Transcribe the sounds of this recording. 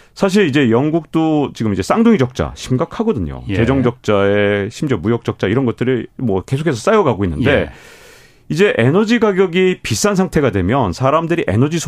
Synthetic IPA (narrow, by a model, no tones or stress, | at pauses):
sʰaɕ̬ʰiɾid͡ʑe̞jʌŋɡuk̚t͈ot͡ɕiɡɯmid͡ʑe̞s͈aŋdoŋid͡ʑʌk̚t͡ɕ͈a̰ɕʰimɡakʰaɡʌdɯɲo̰e̞d͡ʑʌŋd͡ʑʌk̚t͡ɕ͈aeɕʰimd͡ʑʌmujʌk̚t͡ɕ͈ʌk̚t͡ɕ͈aiɾʌnɡʌt͈̚ɯɾɯɭmwʌkesʰokʰe̞s̬ʰʌs͈ajʌɡaɡoinːɯnde̞ | id͡ʑe̞ʔe̞nʌd͡ʑiɡaɡjʌɡipis͈ansʰaŋtʰe̞ɡadwe̞mjʌnsʰaɾamdɯɾiʔe̞̰nʌd͡ʑisʰ